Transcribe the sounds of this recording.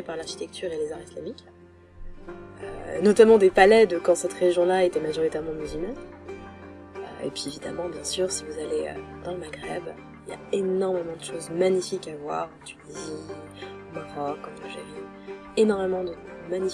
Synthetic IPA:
epaʁlaʁʃit̪ɛkt̪ʰyʁelezaʁislamik | ønɔt̪amɑ̃d̪epalɛd̪əkɑ̃sɛt̪ʁeʒjɔ̃laet̪ɛmaʒɔʁit̪ɛʁmɑ̃myzylmɑn | ø̰ḛpʰɥievid̪a̰mɑ̃bjɛ̃syʁsivuzaleø̰d̪̥ɑ̃ləmaɡʁɛb | ilja̰enɔʁmemɑ̃d̪əʃozmaɲifikavwa̰ʁɑ̃t̪ynizi | maʁɔkɔ̃tɔʒavi | enɔʁmemɑ̃d̪əmaɲi

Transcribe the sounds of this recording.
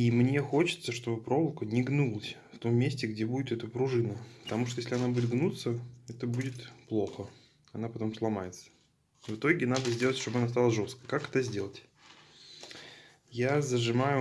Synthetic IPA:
imnʲe̞xo̞t͡ɕɪ̥t̪səʂt̪o̞bɨpɾo̞vlˠkənʲɪɡnulˠəsʲft̪o̞mːʲesʲtʲɪɡdʲebudʲɪt̪ɛt̪əpɾʊʐɨnəpət̪ɐmuʂt̪ojes̬ʲlʲɪɐnabudʲɪt̪ɡnut̪səɛt̪əbudʲɪt̪plˠo̞xə | ɐnapɐt̪o̞mslˠɐmajɪt̪sə̥ | vɨt̪o̞ɡʲɪnad̪əzʲdʲe̞lˠətʲʂt̪o̞bɨɐnast̪alˠəʐo̞st̪̚kəjkakɛt̪əzʲdʲe̞lˠətʲ | jazəʐɨmajʊ

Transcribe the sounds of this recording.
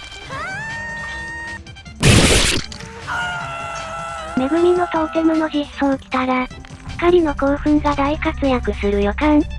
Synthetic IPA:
me̞ɡɯ̟ɾʲino̞t̪ok̪emɯ̟no̞çʲisokʲi̥t̪aɡḁ | kaɾʲino̞koːɸɯ̟̃ŋɡad̪aikat͡sɨjakɯ̟sɨɾɯ̟jokãŋ

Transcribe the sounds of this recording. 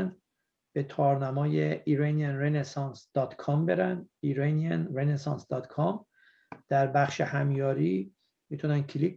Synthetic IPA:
nd̪ | b̥et̪ʰɒːɾnæmɒːjeiɾænijænrenesɒːnsd̪̥ɒːt̪kʰɒːmbe̞ɾænd̪iɾæniænɾenesɒːnsd̪ɒːt̪kʰɒm | d̪̥æɾbæχʃehæmjɒːɾiː | mit̪ʰunæn̚cʰlik

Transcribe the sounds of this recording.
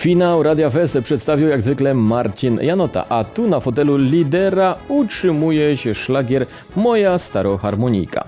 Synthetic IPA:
fʲinawɾad̪ʲjafɛst̪ɛpʂɛt̪st̪avʲjiwjaɡzvɘklɛmaɾt͡ɕinjanɔt̪a̰ʔat̪unafɔt̪ɛlulʲid̪ɛɾautʂɘmujɛɕɛʂlaɡʲjɛɾ | mɔjast̪aɾɔxaɾmɔɲḭjka̰

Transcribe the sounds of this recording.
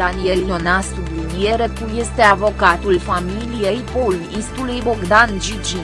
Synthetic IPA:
anijelionasublinieɾekuje̞st̪e̞avo̞kat̪ulfamilije̞jpolujist̪ulujboɡd̪and͡ʒid͡ʒi

